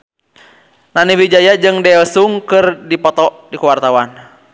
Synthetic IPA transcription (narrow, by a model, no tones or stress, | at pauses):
naniwid͡ʒajad͡ʒɨŋdɛɔsuŋkɨrdipɔt̪ɔʔdikuwart̪awan